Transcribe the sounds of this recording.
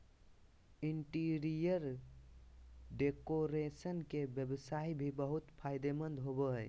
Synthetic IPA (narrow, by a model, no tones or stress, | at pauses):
iɳʈiɾijəɾ | ɖekoɾesənkebjəbsaibʱibəɦut̪pʰaɪd̪emə̃nd̪ɦobəɦəj